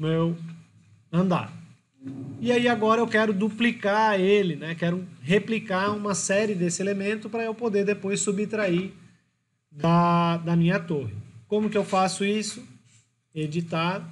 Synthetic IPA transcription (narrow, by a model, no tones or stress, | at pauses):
mew | ɐ̃nd̪a̰ɾ | iaiaɡɔɾɐewkɛɾʊd̪uplikaelɪnɛkɛɾʊheplikaũmɐsɛɾɪd̪esɪelemẽnt̪ʊpɾɐewpod̪eɾd̪epojsːubɪt̪ɾaiɾ | d̪ɐd̪ɐmĩɲɐt̪ohɪkõmʊkɪewfasʊisʊ | ed͡ʒit̪aʊ